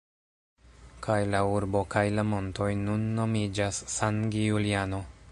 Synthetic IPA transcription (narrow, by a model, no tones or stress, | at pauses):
kajlauɾbo̞kajlamo̞nto̞jnunːo̞mid͡ʒasːanɡijuliano̞